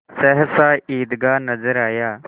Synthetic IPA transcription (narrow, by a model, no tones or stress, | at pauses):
sɛɦsaːiːd̪ɡaːnəzəɾaːjaː